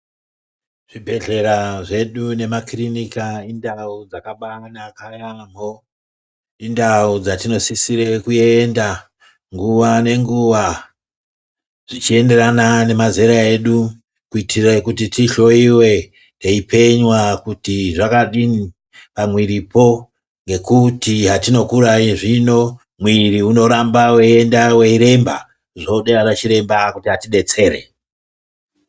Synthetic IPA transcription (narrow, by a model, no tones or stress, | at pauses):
ʐ̥ibʱe̞ɮe̞ɾaʐe̞ɗune̞makrinikaindaud͡zakaɓanakajambo̞ | indaud͡zatino̞sisiɾe̞kue̞nda | ŋɡuʋane̞ŋɡuʋa | ʐ̥it͡ʃie̞nde̞ranane̞maziɾae̞ɗu | kuitirekutitiɬo̞iwe̞ | neipʰe̞ɲwakutiʐakaɗini | pamwiɾipo̞ | ŋɡe̞kutiɦatino̞kuɾaiʐino̞ | mwiriuno̞ɾambaweendaweiɾe̞mba̰ | ʐoɗearat͡ʃiɾe̞mbakutiɦatiɗe̞t͡se̞ːɾe̞̰